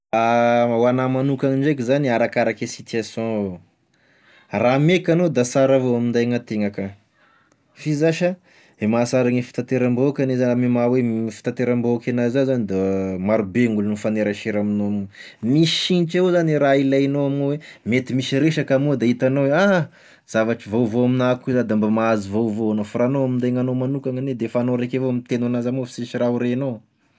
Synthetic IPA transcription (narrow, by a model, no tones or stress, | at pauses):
awanamanukaŋiɳɖ͡ʐekʲizaniaɾakaɾakʲasit̪iasjɔ̃ | ramekanod̪asaɾavoamind̪ajŋat̪eŋaka | fizaʃa | emasaɾaŋifi̥t̪at̪eɾambokʲanezamimawefi̥t̪at̪eɾamboakanazazanid̪amaɾubeŋulnufaneɾaʃeɾaminoamu | misiniʈ͡ʂezaniɾailanoaminowemet̪imisiɾeʃakamod̪ait̪anoweaɦ | z̥avaʈ͡ʂivowvoaminakuzad̪ambamaazivovoanofɾanoamind̪aŋanomanukaŋaned̪efanoɾekevoamit̪enanazamofi̥siʃirauɾeno